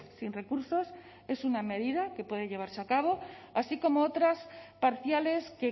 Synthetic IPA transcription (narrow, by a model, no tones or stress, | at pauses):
sinre̞kuɾso̞s | e̞suname̞ð̞iðakepwe̞ð̞e̞ʎeβ̞aɾseakaβ̞o̞asiko̞moot̪ɾaspaɾθjale̞ske̞